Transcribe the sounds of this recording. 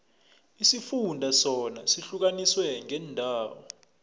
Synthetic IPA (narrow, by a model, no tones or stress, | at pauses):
isifundʱasɔnasiɬuk̬aniswɛŋʱɛndʱaːwɔ̰